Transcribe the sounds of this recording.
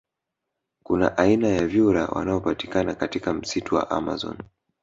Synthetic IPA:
kuna̰ʔainajavjuɾa̰wʔa̰naɔpati̥kanakatikam̩situwa̰ʔa̰ma̰zɔ̰n

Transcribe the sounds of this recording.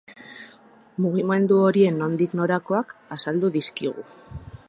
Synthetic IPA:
muɣ̞ime̞nd̪uo̞ɾie̞nːo̞nd̪ikno̞ɾako̞akasald̪uðiskiɣ̞ṵ

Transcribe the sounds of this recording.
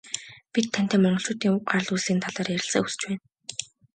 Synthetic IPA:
pʲit̪ʰːæn̥ʲt̪eːmœɴɢɞ̆ɮɬt͡ɕʊːt̪iːŋʊkɢar̆ɮuːsiːnt̪ʰaɮaːrjæɾʲɪ̆ɬsə̰ːŋxus̆t͡ɕpæːn

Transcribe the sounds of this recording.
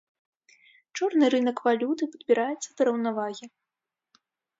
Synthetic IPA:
t͡ʂɔrnɨɾɨnɐkvalʲut̪ɨpɐd̪bʲiɾajɛt̪sːɐd̪ɐɾɐwnavaɣʲi

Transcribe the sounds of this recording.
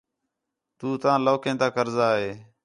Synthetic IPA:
t̪uːt̪ãːloːkʰẽːt̪ãːkəɾzaːɦeː

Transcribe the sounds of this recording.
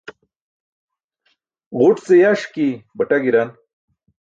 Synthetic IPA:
ʁuʈt͡sejaʂkibɐʈɐɡiɾɐn

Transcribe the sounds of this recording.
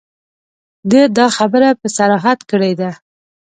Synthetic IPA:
d̪əd̪ɑxabəɾapəsaɾɑɦat̪kəɽed̪a

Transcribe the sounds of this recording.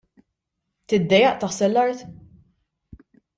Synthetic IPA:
t̪ɪd̪ːɛjɐʔt̪ɐħsɛlːɐɾt̪

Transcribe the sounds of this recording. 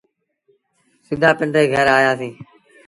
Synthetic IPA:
sɪd̪ʱaːpɪɳɖɾeːɡʱəɾaːjaːsĩː

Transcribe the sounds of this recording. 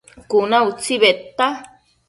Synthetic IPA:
kunaut͡siβet̪ːa

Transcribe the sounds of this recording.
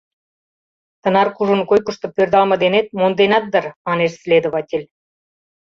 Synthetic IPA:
t̪ə̆nɑrkuʒə̆nkojkuʃt̪ɤ̆pʲørd̪ɑlmɤ̆d̪enet̪̚mond̪enɑt̪̚d̪ɤ̆ɾmɑnersʲlʲed̪ovɑt̪ʲilʲ

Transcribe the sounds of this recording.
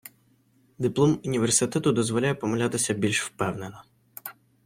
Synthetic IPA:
d̪ɪplˠɔmʊnʲiʋersɪt̪ɛt̪ʊd̪ɔzʋɔlʲajɛpɔmɐlʲat̪ɪsʲɐbʲilʲʃwpɛwnenɐ

